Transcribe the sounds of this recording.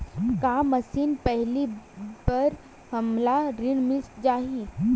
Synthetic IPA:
kamɐsiːnpɛɦlibɐɾ | hɐmlaɾɪɽmɪsd͡ʒaːɦi

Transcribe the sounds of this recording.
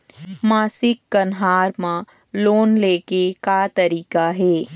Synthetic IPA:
maːsɪkːɐnɦaːɾmã | loːnleːkekat̪ɐɾiːkaɦɛː

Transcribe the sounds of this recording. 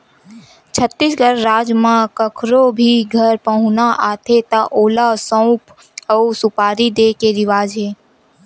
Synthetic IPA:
t͡ʃʰət̪ːisɡʱəɾːaːd͡ʒmãkəkʰɾobʱiɡʱəɾpəɦʊ̃naʔaːt̪ʰet̪ãʔoːlasə̃ʊp | əusʊpaːɾid̪eːkeɾɪʋaːd͡ʒeː

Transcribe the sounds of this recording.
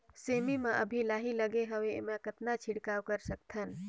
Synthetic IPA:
semimeʔə̰bʱilaːɦiləɡeɦəwemekət̪nat͡ʃʰiɽkaːwkəɾsək̚t̪ʰən

